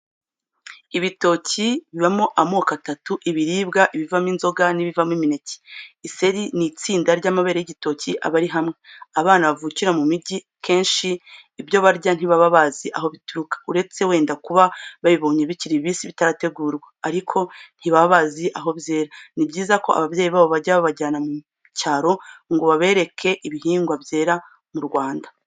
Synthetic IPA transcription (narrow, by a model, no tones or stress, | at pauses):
iβito̞ːciβiβamoʔamoːkatatuʔiβiɾiːbɡaʔiβivaminzo̞ɡaniβivamimineci̥ise̞ɾinit͡siːndaɾɟaːmaβeɾejiɟito̞ːciʔa̰βaɾiɦamŋeaβaːnaβavuciɾamumiɟi | kʰe̞ːnʃiːbjo̞βaɾɟan̥hiβaβaβaziʔaɦo̞βituɾukḁuɾe̞t͡se̞we̞ːndakuβaβaβiβo̞ːɲeβiciɾiβisiβitaɾate̞ɡuːɾweaɾikʰo̞n̥hiβaβaβaziʔaɦo̞bje̞ːɾanibɟiːzako̞a̰βavjeːjiβaːβo̞βaɾɟaβaβaɟaːnamu | caːɾo̞ŋɡoβaβe̞ːɾe̞kʰe̞ʔiβiɦiːŋɡwavje̞ːɾa | muɾɡwaːnda